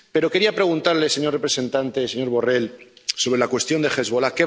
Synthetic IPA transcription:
pe̞ɾo̞ke̞ɾiapɾe̞ɣ̞unt̪aɾle̞seɲo̞repɾese̞nt̪ant̪e̞se̞ɲo̞ɾβo̞relso̞βɾe̞lakwe̞st̪jo̞nd̪e̞xe̞zβo̞lake

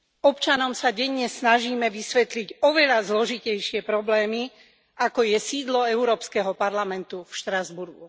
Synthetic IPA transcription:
ɔpt͡ʃanɔmsaɟɛɲɲɛsnaʒiːmɛʋisʋɛt̪liɟɔʋɛʎazlɔʒicɛjʃɪɛpɾɔblɛːmi | akɔjɛsiːd̪lɔɛʊɾɔːpskɛɦɔpaɾlamɛnt̪ufʃt̪ɾazbuɾɡṵ

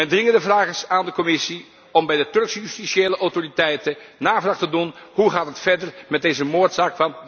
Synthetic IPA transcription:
ɛndrɪŋəndəvraːχɪsaːndəkɔmɪsi | ɔmbɛjdətɵɹksjystiseːləʔɔwtoritɛjtənaːvraːχtədunɦuχaːtɦətfɛɹdəɹmɛd̚ejzəmoːɹtsaːkfɑn

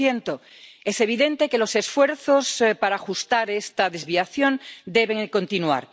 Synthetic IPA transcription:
jent̪o | ese̞β̞iðe̞nt̪eke̞lo̞se̞sfwe̞ɾθo̞spaɾaːxust̪aɾest̪aðe̞zβiaθjo̞nd̪e̞βe̞ŋko̞nt̪inua̰ɾ

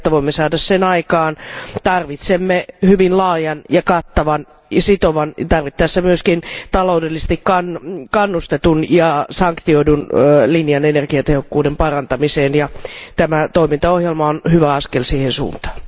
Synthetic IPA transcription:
t̪ːæʋoimːesɑːdɑssenɑikɑːnt̪ɑrʋit̪semːehyʋinlɑːjɑnjɑkɑt̪ːɑʋɑn | sit̪oʋɑnt̪ɑrʋit̪ːæːsːemyøskint̪ɑloudelːise̥st̪ikkɑnkɑnːust̪et̪unjɑsɑŋkt̪ioidunlinjɑnenerɡiɑt̪ehokːuːdempɑrɑnt̪ɑmiseːnjɑt̪æmæt̪oimint̪ɑohjelmɑonhyʋæɑskelsiːhensṵːnt̪ɑ̥ːn

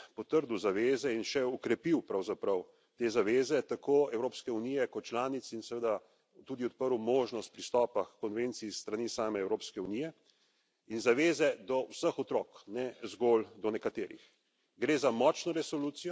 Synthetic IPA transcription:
pɔt̪əɾd̪uwzaʋeːzɛinʃɛɔkɾɛpiwpɾawzapɾɐw | t̪eːzaʋeːzɛt̪akʰoːɛwɾoːpskɛunijɛkɔt̪̚t͡ʃlaːnit̪sinsɛʋəd̪a | t̪uːd̪iɔt̪̚pəɾumoːʒnɔst̪̚pɾist̪ɔːpakːɔnʋent̪siːst̪ɾaniːsaːmɛɛwɾoːpskɛunijɛ | inzaʋeːzɛd̪ɔwsəxɔt̪ɾɔːknɛzɡold̪ɔnɛkat̪eːɾḭx | ɡɾeːzamɔːt͡ʃnɔɾɛsɔluːt̪sijɔ

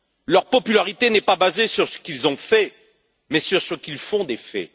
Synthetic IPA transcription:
lœʁpɔpylaʁit̪enɛpabazesyʁsə̥kilzɔ̃fɛ | mɛsyʁsəkilfɔ̃d̪efɛ̰

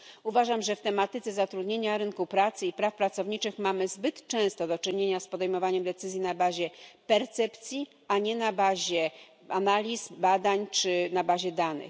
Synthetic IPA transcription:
uvaʐamʐɛft̪ɛmat̪ɘt̪sɛzat̪ɾud̪ɲeɲaɾɘnkupɾat̪sɘipɾafpɾat̪sɔvɲit͡ʂɘxmamɘzbɘt̪t͡ʂɛ̃st̪ɔd̪ɔt͡ʂɘɲeɲaspɔd̪ɛjmɔvaɲɛmd̪ɛt̪sɘzʲjinabaʑɛpɛɾt̪sɛpt̪sʲji | aɲɛnabaʑɛ | analʲisbad̪aɲt͡ʂɘnabaʑɛd̪anɘ̰x

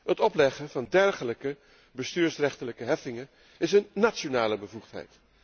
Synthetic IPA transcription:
ɦətɔplɛχənvɑndɛɹχələkə | bəstyːɹsrɛχtələkəɦɛfɪŋən | ɪsənːat͡ʃonaːləbəvuχtɦɛ̰jt

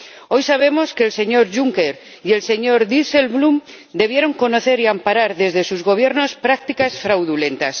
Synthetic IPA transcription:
o̞jsaβ̞e̞mo̞skeːlse̞ɲo̞ɾʝuŋkeɾ | ie̞lse̞ɲo̞ɾðise̞lβlum | d̪e̞β̞je̞ɾo̞ŋko̞no̞θe̞ɾiampaɾaɾðe̞zðe̞suzɣo̞β̞je̞ɾno̞spɾak̚t̪ikasfɾawðule̞nt̪as

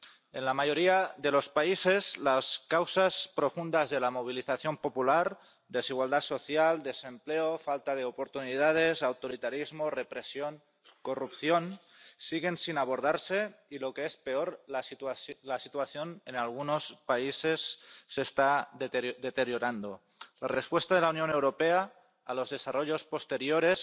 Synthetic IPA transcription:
e̞nlamaʝo̞ɾiaðe̞lo̞spaise̞zlaskawsaspɾo̞fund̪azðe̞lamo̞β̞iliθaθjo̞mpo̞pulaɾ | d̪e̞siɣwald̪aso̞θjald̪e̞se̞mple̞ofalt̪aðe̞opo̞ɾt̪unið̞að̞e̞sawt̪oɾit̪aɾizmore̞pɾe̞sjo̞ŋ | ko̞rupθjo̞n | siɣ̞e̞nsinaβo̞ɾð̞aɾse̞ilo̞keespe̞oɾlaslasit̪uaθjo̞nenalɣ̞uno̞spaise̞sːe̞st̪ad̪e̞t̪e̞ɾjoɾand̪o | larespwe̞st̪að̞elaunjonewɾo̞peaː | lo̞zðe̞saroʎo̞spo̞st̪eɾjoɾe̞s

